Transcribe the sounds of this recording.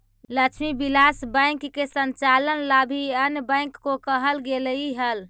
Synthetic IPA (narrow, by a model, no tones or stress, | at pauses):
ləkt͡ʃʰmibilasbə̃ɪkːesənt͡ʃalənlabʱiənjbə̃ɪ̃kːokəɦəlɡeliɦəl